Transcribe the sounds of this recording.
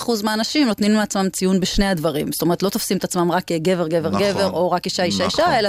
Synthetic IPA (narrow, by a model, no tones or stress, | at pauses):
χuzmeanaʃimno̞t̪ninueat͡smamt͡sijunbeʃnead̪vaʁimstome̞ʁ̞t̪lo̞t̪ofsimet̪at͡smamʁakɡe̞ve̞ʁɡe̞ve̞ʁɡe̞ve̞ʁo̞ʁakiʃaiʃaiʃae̞la